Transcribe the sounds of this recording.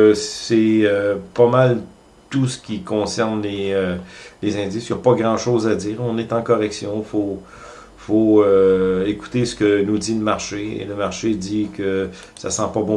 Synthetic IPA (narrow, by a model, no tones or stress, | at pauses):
sɛøpamal | t̪usə̥kʲikɔ̃sɛʁnleølezɛ̃d̪ɪsjɔpɔɡʁɑ̃ʃoːzad͡z̪iːʁɔ̃nɛt̪ɑ̃kɔʁɛksjɔ̃ifo | foøeku̥t̪esə̥kənud̪iləmaʁʃeḛləmaʁʃed̪ikʰə | sa̰sɑ̃pɔbɔ̃